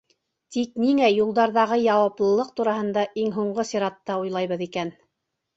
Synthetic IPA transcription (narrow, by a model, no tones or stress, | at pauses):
t̪ikniŋæjulˠd̪ɑɾðɑʁɤjɑwɑplˠɤ̆lˠɤq̚t̪uɾɑɦɤ̆nd̪ɑʔiŋɦuɴɢosiɾɑt̪ːɑujlˠɑjβɤðikæn